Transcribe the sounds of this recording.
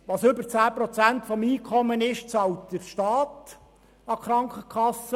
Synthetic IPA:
ʋɑsʏbəɾt͡sæːpɾɔt͡sæntfɔmiːkʰɔmːənɪʃt͡sɑwtd̥əɾʃtɑːt | ɑkχɾɑŋkʰəkχɑsə

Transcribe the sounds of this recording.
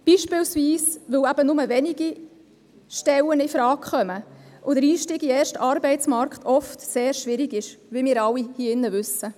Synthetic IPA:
b̥iːʃpɪlsviːsʋɵwæb̥ənʊməʋɛniɡi | ʃtɛwənɪfɾɑːkχœməʔʊd̥əɾiːʃtiːɡiɛːʃtɑɾbɛɪt͡smɑɾktʰɔftseːɾʃʋɪɾɪɡɪʃʋimɪːɾɑlːihiɪnːəʋʏsːə

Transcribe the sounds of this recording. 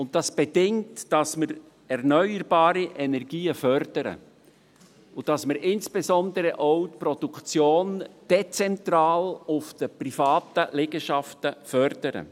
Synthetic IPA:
ʊnt̚d̥ɑsb̥edɪŋtd̥ɑsməɾ | ɛrnœʏəɾbɑːɾiʔɛnɛrɡiːəfœrd̥əɾə̰ | ʊd̥ɑsməɾʔɪnsb̥ezɔnd̪əɾəʔoʊtpɾɔd̥ukt͡sjoːnd̥et͡sɛntɾɑːlʊfd̥əprifɑːtəlɛɡəʃɑftəfœrd̥əɾə̰

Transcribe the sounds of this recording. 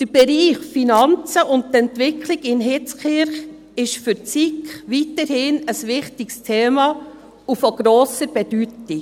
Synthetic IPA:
d̥əɾb̥ɛɾiːχfinɑnt͡səʔʊnttɛntʋɪkʰliɡɪnɦɪt͡skɪɾχ | ɪʃfʏɾt͡sikχʋitəɾhɪnəsʋɪχtikstʰeːmɑ | ufɔɡ̥ɾɔːsəɾb̥ɛdyti

